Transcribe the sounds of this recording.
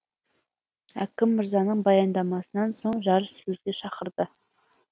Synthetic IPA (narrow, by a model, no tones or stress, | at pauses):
ækʲɪmːɪɾzɑnəɴbɑjɑnd̪ɑmɑsənɑnsoɴʒɑɾəʃsɵzɡ̪ʲe̞ʃɑqəɾd̪ə